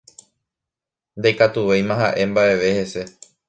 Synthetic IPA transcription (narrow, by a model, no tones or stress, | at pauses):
nd̪ejkat̪uʋe̞jmãɦaʔe̞mbaʔe̞ʋe̞he̞se̞